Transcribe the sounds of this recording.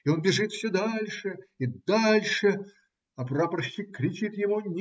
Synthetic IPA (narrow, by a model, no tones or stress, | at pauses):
ɪo̞nbʲɪʐɨt̪fsʲod̪alʲʂɨid̪alʲʂɨ | ɐprapɾɕːʲɪkːɾʲɪt͡ɕit̪jɪmunʲ